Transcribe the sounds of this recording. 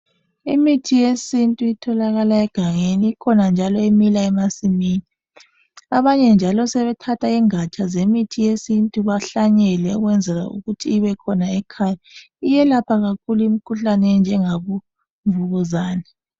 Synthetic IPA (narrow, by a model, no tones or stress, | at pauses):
ḭmitʰijesintʼuitʰɔlaɣalaɛɡ̥ʱaŋeniːkʰɔnand͡ʒʱalɔemilaɛmasimiːni | aβaɲɛnd͡ʒʱalɔsɛβɛtʰatʰaiŋat͡ʃʰʼazemitʰijesintʼuβaɬaɲɛlɛɔɣwɛnd͡zʱɛla̰ṵɣutʰiːβɛkʰɔnaɛkʰaːja | ijɛlapʰaɣakʰuluimikʰuɬanɛnd͡ʒʱɛŋaβu | ɱvuɣuzaːnɛ